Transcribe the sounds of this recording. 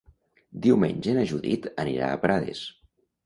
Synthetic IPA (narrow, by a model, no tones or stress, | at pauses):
d̪iwmeɲʲʒenəʒuðit̪əniɾa̰əpɾʔaðḛs